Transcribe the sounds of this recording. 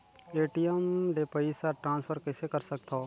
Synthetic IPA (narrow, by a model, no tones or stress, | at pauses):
eːʈijəmɖepəisaʈɾãːnspʰəɾkɛsekɐɾsək̚t̪ʰoː